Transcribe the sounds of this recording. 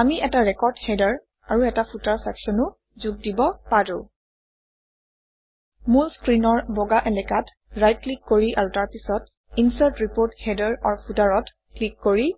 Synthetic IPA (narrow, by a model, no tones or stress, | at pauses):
amiɛtaɹɛkɔɹdhɛdaɹ | aɹuɛtapʰutaɹsɛksɔnʊ | zuɡ̚dibɔpaɹʊ̃ | mulskɹinɔɹbɔɡaʔɛlɛkat | ɹajt̚klikːoɹiʔaɹutaɹpisɔt | insaɹtɹipoɹthɛdaɹaɹpʰutaɹɔt | klikːoɹi